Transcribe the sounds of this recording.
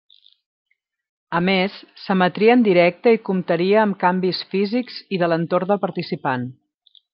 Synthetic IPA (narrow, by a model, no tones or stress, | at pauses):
əmesːəmət̪ɾiəːnd̪iɾɛk̚t̪əikumt̪əɾiəːmkambisfizikz̥iðələnt̪ord̪əlˠpəɾt̪isipan